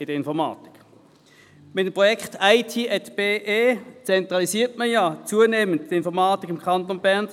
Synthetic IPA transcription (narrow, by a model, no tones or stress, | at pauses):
ɪdəɪnfɔʁmɑ̰ːti̥k | mɪtəmpʁɔjɛkχtaɪtʰiːʔɛtb̥eːʔeːt͡sɛntʁɑlisiːtməjat͡suəneːmənttɪnfɔɐʁmɑːtikɪmkʰɑnt̪onbæʁn